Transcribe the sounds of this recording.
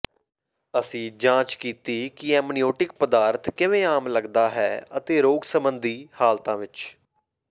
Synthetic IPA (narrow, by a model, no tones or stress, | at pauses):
əsĩːd͡ʒãːt͡ʃkiːt̪iːkɪɛ̃ːmnijoːʈɪk̚pəd̪aːɾt̪kɪʋẽːaːmləɡd̪aːɦɛːət̪eːɾoːɡsəmbənd̪iːhaːlt̪ãːʋɪt͡ʃ